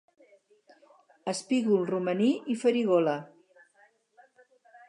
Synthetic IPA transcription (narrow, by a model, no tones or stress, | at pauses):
əspiɣulˠruməniʔifəɾiɣolə